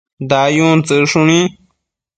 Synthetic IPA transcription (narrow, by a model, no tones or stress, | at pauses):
d̪ajunt͡sɨʂunĩ